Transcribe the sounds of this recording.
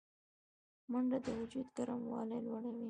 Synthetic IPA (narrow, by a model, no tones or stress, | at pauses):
maɳɖad̪əwʊd͡ʒud̪ɡaɾamwɑ̰lajlwaɽawi